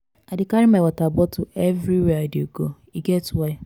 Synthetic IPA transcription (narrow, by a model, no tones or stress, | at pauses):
adɪkaɾimawatabɔtuevɾiweadeɡo | iɡetwe